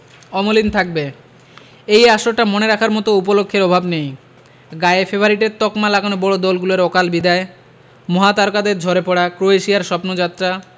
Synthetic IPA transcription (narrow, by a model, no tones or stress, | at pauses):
ɔmolint̪ʰak̚be | ejaʃoʈamoneɾakʰaɾmɔt̪oup̬olokʰːeɾɔbʱabnej | ɡaeefebʱaɾiʈet̪ɔkmalakonobɔɽod̪ɔlɡuloɾɔkalbid̪ae | mɔɦat̪aɾkad̪eɾd͡ʑʱɔɾepɔɽakɾoeʃijaɾʃɔpnod͡ʑat̪ːɾa